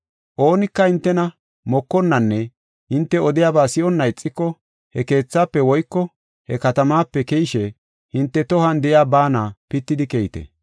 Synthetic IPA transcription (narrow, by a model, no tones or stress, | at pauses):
ʔo̞ːnɪkːɐhɪnt̪ːɛnɐ | mɔkːɔnːɐnːɛ | hɪnt̪ːɛɔd̪ɪjaːbaːsɪʔɔnːɐɪt͡sʼːɪkːɔ | hɛke̞ːt͡sːaːpːɛwɔjkːɔ | hɛkɐt̪ɐmaːpːɛkɛjɪʃɛ | hɪnt̪ːɛt̪ɔhɐnd̪ɛʔjaːbaːnapɪt̪ːɪd̪ɪkejɪt̪ɛ̰